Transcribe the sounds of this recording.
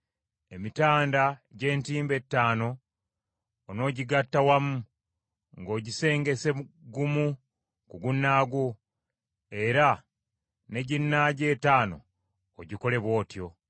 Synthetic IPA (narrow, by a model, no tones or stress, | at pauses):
e̞mitaːndaɟe̞ːntiːmbe̞tːaːno̞ | no̞ːɟiɡatːawamu | ŋɡo̞ːɟise̞ːŋɡe̞se̞uɡumu | kuɡunːaːɡo | e̞ɾa | ne̞ɟinːaɟe̞ːtaːno̞̰ː | ɟiko̞le̞βwo̞ːtjo̞